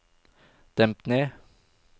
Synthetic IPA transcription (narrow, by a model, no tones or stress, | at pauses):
d̪̥ɛmt̪neː